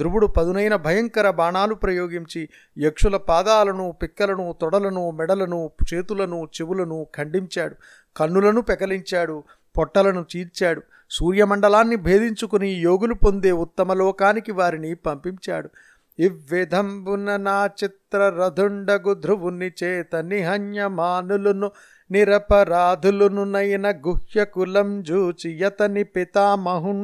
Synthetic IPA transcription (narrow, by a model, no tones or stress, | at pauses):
d̪ɾuʋuɽupɐd̪unɐjnɐbʱɐjɐŋkɐɾɐbaːɳaːlupɾɐjoːɡiɲt͡ʃi | jekʂulɐpaːd̪aːlɐnupikːɐlɐnut̪ɔɽɐlɐnumɛɽɐlɐnut͡ʃe̞ːt̪ulɐnut͡ʃeʋulɐnukʰɐɳɖiɲt͡ʃaːɽu | kɐnːulɐnupɛkɐliɲt͡ʃaːɽu | pɔʈːɐlɐnut͡ʃiːɾt͡ʃaːɽu | suːɾjɐmɐɳɖɐlaːnːibʱe̞ːd̪iɲt͡ʃukunijoːɡulupo̞nd̪e̞ːut̪ːɐmɐlɔːkaːnikiʋaːɾinipɐmpiɲt͡ʃa̰ːɽu | iʋːid̪ʱɐmbunɐnaːt͡ʃit̪ɾɐɾɐd̪ʱuɳɖɐɡud̪ʱɾuʋunːit͡ʃɛːt̪ɐniɦɐɲjɐmaːnulunu | niɾɐpɐɾaːd̪ʱulununɐjɐnɐɡuhjɐkulɐmd͡ʒuːt͡ʃijɐt̪ɐnipit̪aːmɐɦun